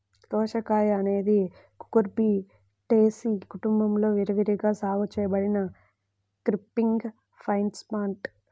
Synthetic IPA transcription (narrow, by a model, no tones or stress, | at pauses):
t̪ɔːʃɐkaːjɐne̞ːd̪i | ku̥kuɾpi | ʈeːsikuʈumbɐmlo̞ːʋiɾɐʋiɾiɡaːsaːɡut͡ʃɛːjɐbɐɽinɐ | kɾipːiŋɡ | pʰɐjnʈspaːɳʈ